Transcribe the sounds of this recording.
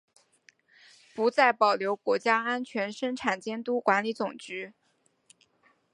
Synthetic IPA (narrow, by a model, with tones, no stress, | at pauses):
pu˧˥t͡sa˥˩ɪpɑ˨˩ʊljo˧˥ʊkwɔ˧˥t͡ɕja˥a˥nt͡ɕʰɥɛ˧˥nʂɤ˥ŋʈ͡ʂʰa˨˩nt͡ɕjɛ˥nt̪u˥kwa˧˥nli˧˥t͡sʊ˨˩ŋt͡ɕy˧˥